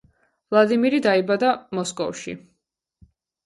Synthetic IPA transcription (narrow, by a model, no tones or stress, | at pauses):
vlˠad̪imiɾid̪aibad̪amɔskʼɔ̰fʃḭ